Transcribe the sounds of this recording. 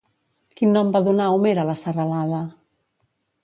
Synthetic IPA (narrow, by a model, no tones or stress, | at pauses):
kinːɔmbaðunaumeɾalasaralaða